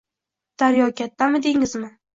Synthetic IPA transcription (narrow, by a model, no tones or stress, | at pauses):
d̪̥aɾjɒkʲat̪ːamɪd̪eŋɪzmɪ